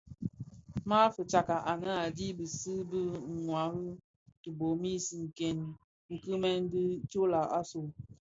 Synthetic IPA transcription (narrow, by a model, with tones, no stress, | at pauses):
ma˦fə˨t͡ʃa˨ka˨ʔa˨nə˦a˨di˦bɨ˨sɨ˦bɨ˦˨ŋwa˨˦ɣɨ˦ | tɨ˨bo˨˦mi˦si˨ŋ̩˨kɛ˨n | ŋ̩˨kɨ˦mɛ˦n˦di˦t͡ʃo˦la˨ʔa˦so˨